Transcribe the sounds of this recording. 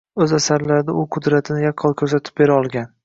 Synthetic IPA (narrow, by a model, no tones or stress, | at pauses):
ɵzasaɾlaɾɪd̪aʊqʰʊd̪ɾat̪ʰɪnɪjaqʰːɒlˠkʰɵɾsat̪ʰɪ̥p̚be̞ɾaɒlˠɡʲan